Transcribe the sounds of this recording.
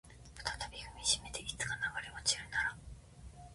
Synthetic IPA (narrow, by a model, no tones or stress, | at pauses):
pɯ̟̥t̪ḁt̪abʲihɯ̟mʲiʑime̞t̪eʔit͡sɨ̥kanaɡaɾemat͡ɕiɾɯ̟naɾa